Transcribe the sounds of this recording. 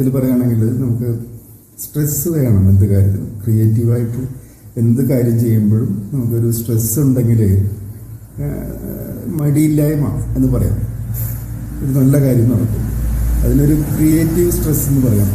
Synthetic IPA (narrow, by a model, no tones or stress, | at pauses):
ɐðilpɐrɐjːaːɳe̞ŋɡilnɐmukːɨ | sʈresːɨkɐɾaːɳɐːɳɨe̞nd̪ɨkaːɾʲjɐt̪ːilɨkrije̞ːtːiʋaːjiʈːɨ | e̞nd̪ɨkaːɾjɐmt͡ɕe̞jːumboɻumnɐmukːo̞ɾusʈresːɨuɳɖe̞ŋɡile | mɐɽiilːaːjuma̰ːe̞nːɨpɐrɐja̰ːnː | oɾunɐlːɐkaːɾjɐmnoɽɐtːunɐ̰ðino̞ɾukrijeːtːiʋɨsʈresːe̞nːɨpɐrɐjaːm